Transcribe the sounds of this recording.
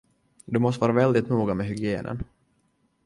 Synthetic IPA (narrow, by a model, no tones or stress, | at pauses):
d̪ɵmɔst̪əvɑːɾavɛld̪ɪt̪nuːɡamɛɦʏɡɪeːnʔə̰n